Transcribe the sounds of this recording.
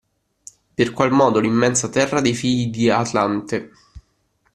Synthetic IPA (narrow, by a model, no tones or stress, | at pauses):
perkwalmɔːd̪olimːɛnsat̪ɛrːad̪ejfiʎːid̪iat̪lant̪e